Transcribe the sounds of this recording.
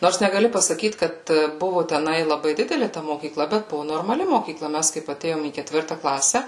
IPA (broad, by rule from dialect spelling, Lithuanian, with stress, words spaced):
ˈnoːrs nʲɛɡɐˈlʲɪ pɐsɐˈkʲiːt ˈkɐt ˈbʊʋoː tʲɛˈnɐɪ lˠɐˈbɐɪ ˈdʲɪdʲɛlʲɪ tɐ moːkʲiːˈklˠɐ bʲɛt ˈbʊʋʊ noːrmɐˈlʲɪ moːkʲiːˈklˠɐ ˈmʲɛs kɐɪp ɐˈtʲeːjoːm iː kʲɛˈtʲʋʲɪrtɐ ˈklˠɑːsʲɛ